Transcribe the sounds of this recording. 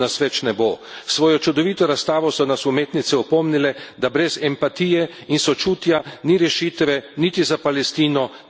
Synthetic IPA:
nasʋɛt͡ʃnɛbosʋoːjɔt͡ʃud̪ɔʋiːt̪ɔɾast̪aːʋɔsɔnasumeːt̪nit̪sɛɔpɔmnilɛd̪abɾɛzɛmpat̪iːjɛ | insɔt͡ʃuːt̪janiɾɛʃiːt̪ʋɛnit̪izapalɛst̪iːnɔ

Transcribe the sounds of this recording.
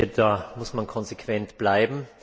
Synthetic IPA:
ədaːmʊsmankʰɔnzekʰv̥ɛntb̥laɪbm̩

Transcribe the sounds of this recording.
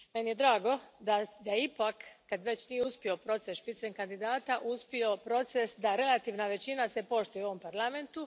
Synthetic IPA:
me̞nije̞d̪ɾaːɡo̞d̪ad̪aipakːad̪ʋe̞t͡ɕnijeuspio̞pɾo̞t̪sesʃpit̪seɲkand̪id̪aːt̪aʔuspio̞pɾo̞t̪sesd̪aɾe̞lat̪iʋnaʋe̞t͡ɕinase̞po̞ʃt̪ujeo̞ʋo̞mpaɾlˠame̞nt̪u

